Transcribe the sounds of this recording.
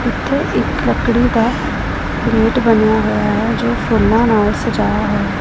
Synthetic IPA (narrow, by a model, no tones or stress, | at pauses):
ɪt̪ʰːeʔɪkləkɽika | leːʈbɐnjaɦʊjaɦɛd͡ʒoːfʰoːlnanaːlsed͡ʒaːjaɦʊa